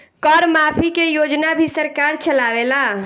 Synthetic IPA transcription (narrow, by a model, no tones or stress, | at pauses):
kɔɾmapʰikejod͡ʒnabʱisəɾkaɾt͡ʃəlaʋela